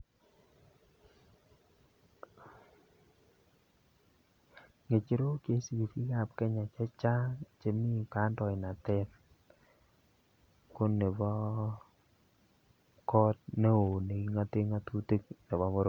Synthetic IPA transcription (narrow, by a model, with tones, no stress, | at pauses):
ŋe˨t͡ʃi˦ɾo˦ke˦si˨ki˨fi˦ka˨p̚kɛ˦ɲa˨t͡ʃɛ˦t͡ʃa˦t͡ʃe˨mi˦˨ka˨˦ndɔ˨ɪ˨na˨tɛ˦t | ko˦ne˨bɔ˦ | kɔ˦t̚ne˦o˨ne˨ki˦ŋa˦te˦ŋa˦tu˦te˦k̚ne˨βɔ˦βo˦ɾo˨